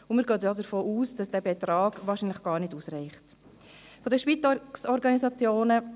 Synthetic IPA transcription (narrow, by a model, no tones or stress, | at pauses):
ʊmɪːɾɡøːɔdəɾfoːʔuːsd̥ɑsd̥æːbɛt̪ɾɑːɡ̥ʋɑːɾʃinləχɡ̥ɑːɾnɪduːsrɛɪχt | fɔdəʃʋit͡ssɔɾɡɑnisɑt͡sjoːnə